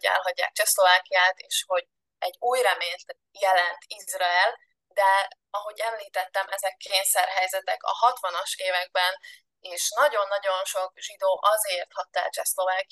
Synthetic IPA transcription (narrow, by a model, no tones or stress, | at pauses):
ɛ̰lɦɒɟːa̰ːk̚t͡ʃɛslo̞vaːkijaːt̪eːʃho̞ɟ | ɛɟːuːjrɛmeːt̪ | jɛlɛnt̪izrɒɛl | d̪ɛ | ɒɦo̞ɟɛmliːt̪ɛt̪ːɛmʔɛzɛkʰːeːnsɛrɦɛjzɛt̪ɛkɒ̰hɒt̪ʋɒnɒʃeːvɛɡ̚bɛn | eːʃnɒɟo̞nːɒɟo̞nʃo̞kʒid̪oːʔɒzeːrt̪hɒt̪ːɛ̰t͡ʃɛslo̞vaːki